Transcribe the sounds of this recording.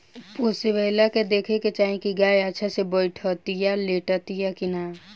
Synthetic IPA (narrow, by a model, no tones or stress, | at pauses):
poːsiʋeːlaked̪eːkʰeket͡ʃaːĩkiɡaːjat͡ʃʰasebəɪʈʰɔt̪ijaleːʈat̪ijakinaː